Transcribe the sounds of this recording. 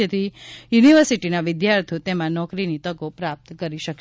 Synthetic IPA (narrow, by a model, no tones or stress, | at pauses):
ət̪ʰijuniʋəɾsiʈinaʋɪd̪jaɾt̪ʰijot̪emãnɔkɾinit̪əɡopɾap̚t̪kəɾiʃəkʃ